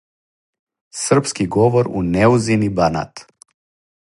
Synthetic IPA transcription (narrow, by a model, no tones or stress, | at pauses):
sr̩pskiɡɔʋɔɾṵnɛuzinibana̰t̪